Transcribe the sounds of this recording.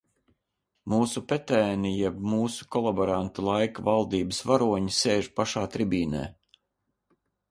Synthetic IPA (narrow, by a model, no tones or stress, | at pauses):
muːsupɛt̪ɛːnijɛbmuːsu̥kɔlˠabɔɾant̪ulˠajkavalˠd̪iːbəsvaɾuɔɲiseːʒpaʃaːt̪ɾibiːnɛ̰ː